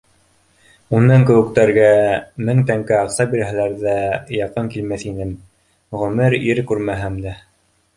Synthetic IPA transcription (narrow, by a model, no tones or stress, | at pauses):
unːɑŋkɘ̆wɘ̆kt̪æɾɡæmɘŋt̪æŋkɘɑqsɑbiɾɦæ̆læɾðæjɑqɤŋkilmæθinɘm | ʁɵ̆mɘɾiɾkʉɾmæɦæmd̪æ